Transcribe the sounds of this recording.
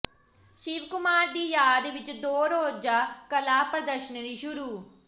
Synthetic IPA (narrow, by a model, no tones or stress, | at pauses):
ʃɪʋkʊmaːɾd̪iːjaːd̪ʋɪt͡ʃd̪oːɾoːd͡ʒaːkəlaːpɾəd̪əɾʃənɾiːʃʊɾuː